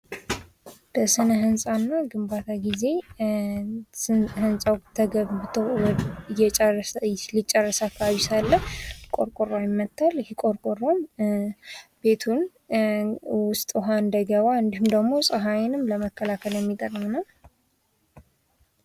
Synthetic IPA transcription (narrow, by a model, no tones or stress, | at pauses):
b̥əsɨnəɦɨnsʼanːaɡɨmbat̪ʰaɡize̞ | hɨnsʼawt̪ʰəɡəβbɨt̪ʰəwjɛt͡ʃʼːlit͡ʃʼːɛrːəsəakʰːəβaβisalːəhkʼoɾkʼoɾajɪmːət̪ːalhikʼoɾkʼoɾːoɲ | b̥e̞t̪ʰun | wʊst̪ʼɦand̪əɡəβaɨnd̪ihumd̪əɡmo̞sʼəɦajenɨmləməkʰːəlakʰəljɛmːit̪ʼərmnəw